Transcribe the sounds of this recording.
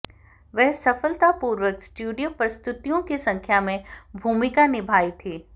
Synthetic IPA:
ʋɛɦsɐfəlt̪apuːɾʋəksʈjuːɖijopɾəst̪ʊt̪ijõkisɐ̃ŋkʰjamẽbʱuːmɪkanɪbʱaːit̪ʰiː

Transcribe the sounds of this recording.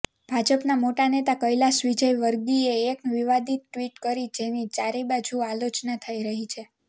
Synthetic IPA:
b̥ʱad͡ʒəpnamoʈanet̪akəjlaʃʋid͡ʒəjʋəɾɡieːkʋiʋad̪it̪̚ʈʋiʈkəɾid͡ʒenit͡ʃaɾebad͡ʒualot͡ʃnət̪ʰəiɾəɦit͡ʃʰe

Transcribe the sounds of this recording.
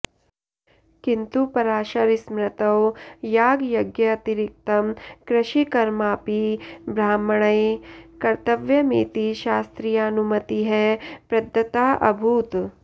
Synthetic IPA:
kint̪upɐɾaːʃɐɾismɾɐt̪ɐwjaːɡjɐɡjɐɐt̪iɾik̚t̪ɐmkɾɐʃikɐɾmaːpibɾaːmɐɳɐjkɐɾt̪ɐʋjɐmḛːt̪iʃaːst̪ɾijanumɐt̪iɦɛpɾɐd̪ʱːɐt̪aːʔɐbʱuːt̪

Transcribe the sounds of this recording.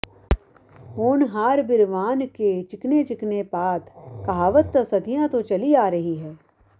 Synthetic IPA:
oːnɦaːɾbɪɾʋaːnket͡ʃɪknet͡ʃɪknepaːt̪ʰkɐɦaːʋət̪ːsɐd̪ʱijãt̪ot͡ʃɐliaːɾɐɦiɦɛː

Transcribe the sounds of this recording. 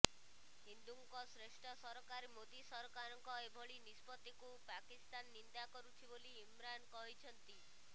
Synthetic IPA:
ɦind̪uŋkɔsɾeʃʈʰɔsɔɾɔkaɾimod̪isɔɾɔkaɾɔŋkɔebʱɔɭinispɔt̪ikupakist̪anːind̪akɔɾut̪ʰiboliːmɾankɔɦit͡ʃʰɔnt̪i

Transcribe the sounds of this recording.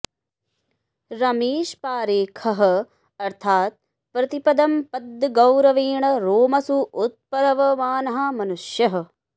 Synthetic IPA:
ɾɐmeːʃpaːɾeːkʰɐɦɐ̆ | ɐɾt̪ʰaːt̪̚ | pɾɐt̪ipɐd̪ɐmpɐd̪ɡɐwɾɐʋiːɳɐɾoːmɐsuːt̪̚pɐɾɐʋɐmaːnɐɦɐ̆mɐnuʃjɐɦɐ̆

